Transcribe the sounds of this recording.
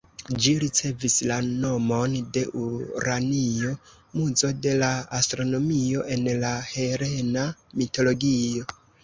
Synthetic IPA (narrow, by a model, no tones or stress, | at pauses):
d͡ʒiɾit͡se̞vislano̞mo̞nde̞ʔuɾanio̞ | muzo̞de̞laastɾo̞no̞mio̞ʔe̞nlahe̞ɾe̞namito̞lo̞ɡio̞